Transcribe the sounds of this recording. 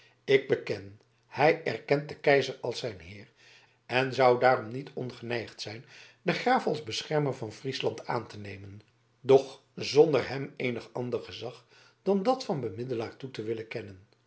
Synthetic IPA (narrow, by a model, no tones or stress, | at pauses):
ɪɡ̚bəkɛn | hɛjɛɹkɛnt̚dəkɛjzərɑlˠsɛjnɦɪːɹ | ɛnzʌwdaːɾɔmnitʰɔnχənɛjχtsɛjn | dəχraːfɑlˠzbəsχɛɹməɹvɑnfrislɑntʰa̰ːntənejmən | dɔχ | zɔndəɹɦɛmejnəχɑ̰ndəɹχəzɑχ | d̥ɑndɑtfɑnbəmɪdəlaːɹtutəʋɪləkɛnən